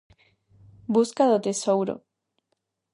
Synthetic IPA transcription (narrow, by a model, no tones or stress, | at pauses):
buskaðot̪esowɾo̰